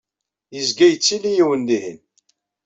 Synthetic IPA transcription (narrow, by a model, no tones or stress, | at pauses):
jəzɡæjət͡sːilijiwənlihə̰n